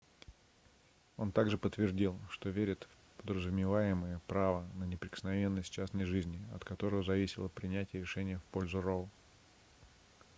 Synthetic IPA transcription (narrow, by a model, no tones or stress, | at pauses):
o̞nt̪aɡʐɨpət̪ːvʲɪrdʲilˠʂt̪o̞vʲeɾʲɪt̪ | pəd̪ɾəzʊmʲɪvajɪməjəpɾavənənʲɪpɾʲɪkə̥snɐvʲe̞nːəsʲt̚ʲt͡ɕæsnəjʐɨzʲnʲɪɐ̰t̪kɐt̪o̞ɾəvəzɐvʲisʲɪlˠəpɾʲɪnʲætʲɪjəɾʲɪʂɛnʲɪjəfpo̞lʲzʊrolˠ